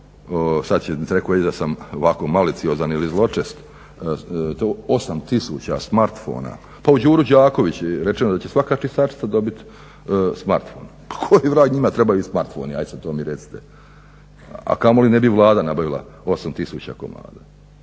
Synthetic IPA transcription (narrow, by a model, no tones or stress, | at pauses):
osad̪t͡ɕeɾekoed̪asamoʋako̞malit̪siozanilizlˠo̞t͡ʂest̪ | t̪oo̞samt̪isṵt͡ɕa̰smaɾt̪fo̞̰ːna̰ | paud͡ʑuːɾud͡ʑaːko̞ʋit͡ɕuɾet͡ʃe̞nod̪at͡ɕe̞sʋakaːt͡ʃist̪at͡ʃi̥t̪ad̪o̞bit̪ | smaɾt̪fo̰ːn | pḁkʰojiʋɾaːɡɲimat̪ɾebajuismaɾt̪fo̰niajd̪sad̪̚t̪oːmiɾet̪si̥t̪e | a̰kamo̞linebiʋlˠaːd̪anabaʋilˠa̰ | o̞samt̪isuːt͡ɕa̰ko̞̰ma̰ːd̪a